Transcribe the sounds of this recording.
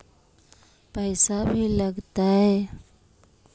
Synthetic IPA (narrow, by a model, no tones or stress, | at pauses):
pəɪsabʱiləɡt̪aɦɛː